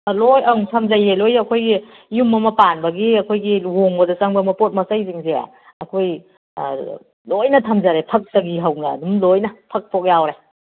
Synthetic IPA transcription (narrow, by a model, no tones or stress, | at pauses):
lojaŋtʰɐmzajelojɐkʰojɡi | jumɐmɐpanbɐɡiɐkʰojɡiwoŋbɐdɐsaŋbɐmɐpot̚mɐsajziŋzḛ | ɐkʰoj̰ | lojnɐtʰɐmzaɾepʰɐk̚sɐɡiɦɐwna̰dumlojnɐpʰɐk̚pʰok̚jawɾe